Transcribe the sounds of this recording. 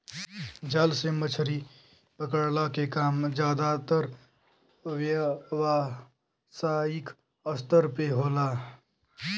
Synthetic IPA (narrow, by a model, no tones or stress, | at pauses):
d͡ʒalsemət͡ʃʰɾi | pəkəɽlakekaːmd͡ʒjaːd̪at̪əɾ | ʋjʋa | saik | əst̪əɾpeɦoːla